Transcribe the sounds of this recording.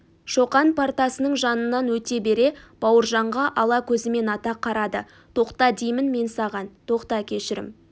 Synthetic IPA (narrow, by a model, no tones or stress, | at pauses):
ʃo̞qɑnpʰart̪ɑsənəɴʒɑnənːɑnwɵt̪e̞be̞ɾe̞b̥ɑwəɾʒɑɴʁɑʔɑlˠɑkʲʰɵzɪme̞nɑt̪ɑqʰːɑɾɑd̪ə | t̪ʰo̞qt̪ɑd̪ijmɪnme̞nsɑʁɑnt̪ʰo̞qt̪ɑkʲʰe̞ʃɪɾɪ̰m